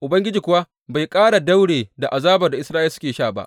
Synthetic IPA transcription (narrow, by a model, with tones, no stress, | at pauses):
ʔʊ˨bɐ˦ŋɡʲɪ˦d͡ʒiː˨kʷʊ˨wa˦ | ba˨jkʼaː˦ɽa˨da˦wɽeː˨da˨ʔa˨zaː˦bɐ˨rda˨ʔɪ˦sɾaː˦ʔɪ˦sʊ˦kʲeː˨ʃaː˦˨ba̰˦ʔ